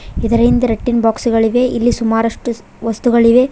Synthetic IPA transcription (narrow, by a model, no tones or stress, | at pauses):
ɪðɐɾɐɪnd̪ɯɾɛʈːɪnbaːksɯɣɐɭɪʋeːʔɪlːisʊmaːɾɐʂʈɯ | ʋɐst̪ɯɣɐɭɪʋeː